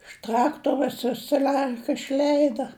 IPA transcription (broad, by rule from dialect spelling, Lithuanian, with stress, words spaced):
ɪʃ ˈtrɑːktoːroːs ʋʲɪs sɐˈlʲɛrkɐ ɪʃʲˈlʲɛɪdɐ